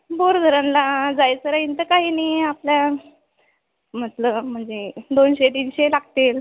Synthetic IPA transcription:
boɾd̪ʱəɾãnlad͡zajt͡səɾaɦint̪əkaɦiːniaplja | m̤ət̪ləm̤əɳd͡zed̪onɕet̪̬iːnɕelaɡʱt̪el

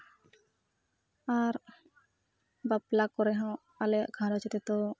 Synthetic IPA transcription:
aɾ | baplakɔɾɛɦɔ̃ | alɛaʔkʰaɾɔt͡ʃʰit̪ɛt̪ɔ

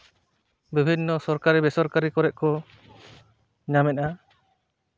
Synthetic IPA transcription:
bibʱinːɔsɔɾkaɾibɛsɔɾkaɾikɔɾɛʔkɔ | ɲamɛʔa

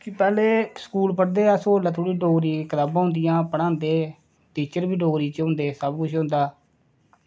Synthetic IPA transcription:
kɪpɛːleːskuːlpəɽd̪eːasoːlaːt̪ʰoːɽiːɖoːɾiːkət̪aːbãːʊnd̪ɪjãːpəɽãːnd̪eː | ʈiːt͡ʃəɾbiːɖoːɾiːt͡ʃõːnd̪eːsəbkʊt͡ʃʰɦʊ̃ːnd̪aː

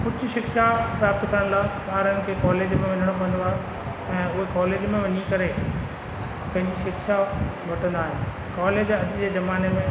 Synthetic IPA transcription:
kʊd͡ʑ̆ʱʃɪkʃapɾaːp̚t̪kɐɾəɽ̃laːpaːɾənɪ̆kʰeːkɔːleːd͡ʑmẽʋɐɲəɽ̃opɐɦə̃nd̪oaːɦe | ɛ̃ːʊɦekɔːleːd͡ʑmẽʋɐɲikɐɾe | pɐ̃ɦɪ̃ɲd͡ʑiʃɪkʃabʱɐʈə̃nd̪aːɦɪnɪ | kaːleːd͡ʑɐd͡ʑd͡ʑeːzɐmaːnemẽ

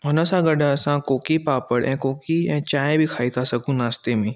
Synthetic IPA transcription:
ɦʊnəsaɡɐɖaɐsãkoːkipaːpəɽɛ̃ːkoːkiɛ̃ːt͡ʃaːẽbʱikʰaːit̪ʰasɐkũnaːst̪emẽː

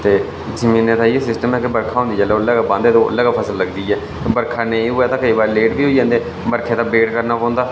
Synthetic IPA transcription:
t̪eː | zəmĩːnẽːt̪ãːiesɪsʈəmɛːkebəɾkʰaːɦõːnd̪iːd͡ʒɛːlɛəlːəːɡaːbãːnd̪eːt̪ːʔə̰lːəːɡaːpʰəsəlːəɡd̪iːɛː | t̪ːbəɾkʰaːnẽĩːɦoːɛːt̪ãːkəiːbaːɾleːʈbiːɦoːid͡ʒãːnd̪eː | məɾkʰeːt̪ãːbeːʈkəɾnaːpãːnd̪aː

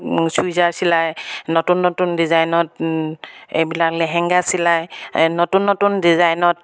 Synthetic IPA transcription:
sujzaɹsilajnɔtunːɔtundizajnɔt̚ | ḛjbilaklɛɦɛŋɡasilajnɔtunːɔtundizajnɔt̚

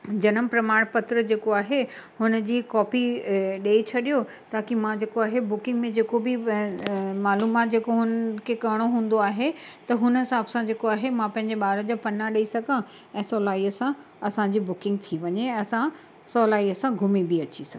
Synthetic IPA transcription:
d͡ʑɐnəmpɾɐmaːɽ̃pɐt̪ɾəd͡ʑeːkoaːɦehʊnə̆d͡ʑiːkɔːpiɗeːit͡ɕʰɐɗijo | t̪aːkimãd͡ʑeːkoaːɦebʊkɪ̃ŋɡmẽd͡ʑeːkobɪ | maːluːmaːt̪̚d͡ʑeːkoɦʊnəkʰekɐɪɽ̃oɦũːn̆d̪oaːɦet̪ɐɦʊnɦɪsaːbsãd͡ʑeːkoaːɦemãpɐ̃ɦɪ̃ɲ̆d͡ʑeɓaːɾəd͡ʑapɐnaɗɐisɐɡʱã | ɛ̃ːsɔːlaːiəsã | ɐsãɲ̆d͡ʑiːbʊkɪ̃ŋɡt̪ʰiʋɐɲeɛ̃ɐsã | sɔːlaːiəsãɡʱʊmibiɐt͡ɕisɐɡ

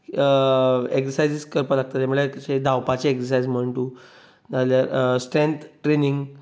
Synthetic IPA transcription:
eksəɾsajd͡ziskəɾpəlaɡ̚t̪at̪jamuɭeɕed̪ʱawpat͡ɕeeksəɾsajd͡zm̤əɳʈuː | naljaɾsʈɾent̪ʈɾeniŋɡ

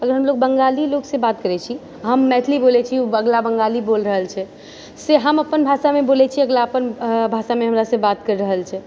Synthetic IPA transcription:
əɡəɾɦəmlok̚bəŋɡaliloksebat̪̚kəɾɛt͡ʃʰi | ɦəmːɛt̪ʰlibolɛt͡ʃʰiuəɡlabəŋɡalibolɾəɦəlt͡ʃʰɛ | seɦəməpənbʱasamebolɛt͡ʃʰiəɡlaəpənbʱasameɦəmɾasəbat̪kəɾɾəɦəlt͡ʃʰɛ

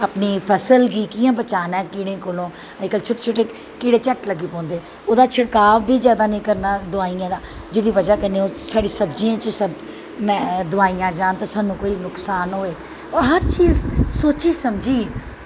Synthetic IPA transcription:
aːpniːpʰəsəlɡiːkiːãːbət͡ʃaːnɛ̃ːkiːɽẽːkoːlõː | əikəlt͡ʃʰʊʈe̥t͡ʃʰoʈeː | kiːɽeːt͡ʃəʈləɡiːpɔ̃ːnd̪eː | oːd̪aːt͡ʃʰəɽkaːʋbiːd͡ʒjaːd̪aːnĩːkəɾnaːd̪ʊaːiːãːd̪aːd͡ʒɪd̪iːʋəd͡ʒaːkəneːoːsaːɽiːsəbd͡ʒiːãːt͡ʃəsəb | mɛ̃ːd̪ʊaːijãːd͡ʒaːnt̪aːsaːnũːkoːiːnʊksaːnɦoːeː | ɔːɾɦəɾt͡ʃiːzsoːt͡ʃiːsəmd͡ʒiː

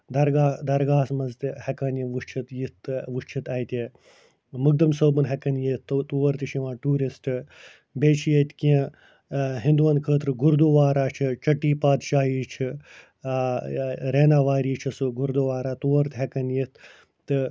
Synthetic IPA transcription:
d̪ɐɾɡaːd̪ɐɾɡaːsmɐzt̪hɐkɐnjiʋuʃt͡ʃʰit̪jit̪ʋuʂt͡ʃʰit̪ɐjit̪ʲe | muɡ̚d̪ɐmsoːbɐnɦɛkɐnjit̪t̪ːt̪uʋɐɾt̪iʃiʋãːʈuːɾisʈɨ | beːt͡ʃʰijɐt̪kiẽ | ɦind̪uʋɐnkʰəːt̪ɾɨɡuɾd̪uʋaːɾaːt͡ʃʰit͡ʃɐʈːiːpaːd̪ʃaːɦiːt͡ʃʰi | ɾeːnaːʋaːɾiːt͡ʃʰɐsuɡuɾd̪oʋaːɾaːt̪uʋɐɾt̪ɦekɐnjit̪ | t̪ːɨ

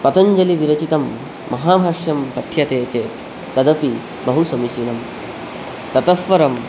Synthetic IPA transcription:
pɐt̪ɐɲd͡ʒɐliʋiɾɐt͡ʃit̪ɐmː | ɐɦaːbʱaːʂjɐmpɐt̪ʰjɐt̪eːt͡ʃeː | t̪ɐd̪ɐpi | bɐɦusɐmiʃinɐm | t̪ɐt̪ɐfʋɐɾɐm

